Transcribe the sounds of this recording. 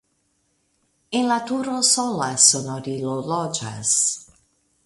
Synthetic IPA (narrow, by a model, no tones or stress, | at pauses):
enlat̪uɾosɔlasonoɾilolɔd͡ʒa̰s